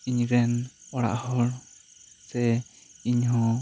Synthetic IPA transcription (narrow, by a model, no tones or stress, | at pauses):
iɲɾɛnɔɽa̰ʔhɔl | sɛiɲɦɔ̃